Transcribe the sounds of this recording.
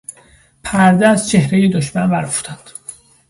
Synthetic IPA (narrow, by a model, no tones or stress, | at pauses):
pʰæɾd̪eæzt͡ʃʰe̞hɾejed̪oʃmænbæɾfu̥t̪ʰɑnd̪̥